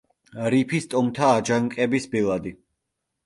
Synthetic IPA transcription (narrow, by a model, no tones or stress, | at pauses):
ɾipʰist̪ʼɔmt̪ʰaːd͡ʒaŋkʼɛbisbilˠad̪i